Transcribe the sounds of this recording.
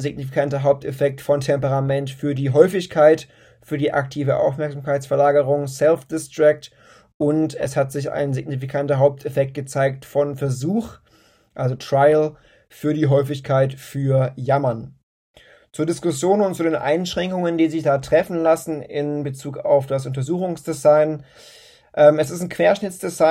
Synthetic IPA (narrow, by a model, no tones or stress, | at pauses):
zɪɡ̚nifi̥kʰantɐɦaʊp̚tʰefɛk̚tfɔntʰɛmpəʁamɛntfyːɐdiːɦɔʏfɪçkʰaɪt | fyːɐdiːʔak̚tʰiːvəʔa̰ʊfmɛɐkz̥amkʰaɪtt͡sfɛɐlaːɡəʁʊŋsɛlfd̥ɪstʁ̥ɛk̚t | ʔʊntɛ̰shatz̥ɪça̰ɪnzɪɡ̚nifikʰantɐɦaʊp̚tʰefɛk̚t̚ɡ̥ət͡saɪk̚tfɔnfɛɐzuːx | ʔalzotʁ̥aɪl | fyːɐɾiːɦɔʏfɪçkʰaɪtfyːɐjamɐn | t͡suːɐdɪskʊsjoːnʊntt͡sudeːnʔa̰ɪnʃʁ̥ɛŋkʊŋəndiːzɪçd̥aːtʁ̥ɛfn̩lasn̩ɪ̰nbət͡suːka̰ʊfd̥as̬ʔʊntɐzuːxʊŋsd̥ezaɪn | ʔɛːmɛsɪstn̩kʰv̥eːɐʃnɪt͡sd̥eza